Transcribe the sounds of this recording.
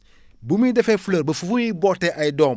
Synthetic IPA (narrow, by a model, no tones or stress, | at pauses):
bumidefefuləɾbɐfufuiboteʔajdom